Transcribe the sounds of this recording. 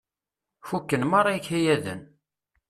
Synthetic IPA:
fukːənmɑɾˤːɑjçhæjæðə̰n

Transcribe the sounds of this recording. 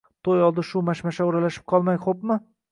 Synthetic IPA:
t̪ʰojɒlˠd̪ɪʃʊmaʃmaʃaoɾalaʃɪ̥p̚qʰɒlˠmajχopmɪ

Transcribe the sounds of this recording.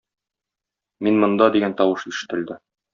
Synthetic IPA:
minmŏnd̪ɑd̪iɡænt̪ɒwɤʃiʃɘ̥̆t̪ɘ̆ld̪ɘ

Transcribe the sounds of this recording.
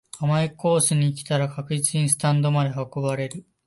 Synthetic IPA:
amaiko̞ːsɨɲ̟iːkʲi̥t̪aɾakakɯ̟it͡sɨiɲĩsɨ̥t̪ãnd̪o̞mad̪e̞ɦako̞baɾe̞ɾɯ̟

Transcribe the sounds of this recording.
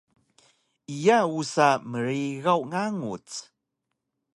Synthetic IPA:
ijausaməɾiɣawŋaŋut͡s

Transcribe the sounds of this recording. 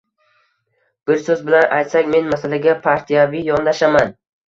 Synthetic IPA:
b̥ɪɾsɵzbɪlanʔa̰jt̪sakʲme̞nmasalaɡʲapʰaɾt̪ʰijavijɒnd̪aʃaman

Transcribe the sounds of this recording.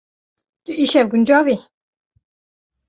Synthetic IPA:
t̪uiʃɛvɡund͡ʒɑːvi

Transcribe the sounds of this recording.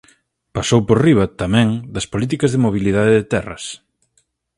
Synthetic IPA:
pasowpoɾriβɐt̪amɛ̃ŋd̪ɐspolit̪̬ikɐzðɪmoβ̞ilið̞aðeðet̪ɛrɐ̰s

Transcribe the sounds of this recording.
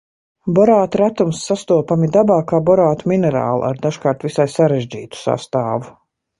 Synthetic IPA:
bɔɾaːt̪ɾat̪umsːast̪uɔpamid̪abaːkaːbɔɾaːt̪uminɛɾa̰ːl̰ˠa̰ɾd̪aʃkaːɾt̪visajsaɾeʒd͡ʑḭːt̪u̥sa̰st̪aːvu

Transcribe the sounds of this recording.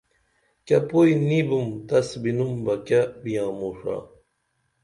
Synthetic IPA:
kʲɐpojnibumt̪ɐsbinumbɐkabijãːmoːʂa̰ː

